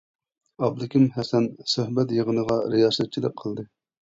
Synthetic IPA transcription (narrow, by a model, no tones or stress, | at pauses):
ɑblˠɪkʲimhɛsɛnsøhbɛt̪jəʁənəʁɑɾijɑːsɛt̪̚t͡ʃʰid̪ɪk̚qʰːəlˠd̪ɨ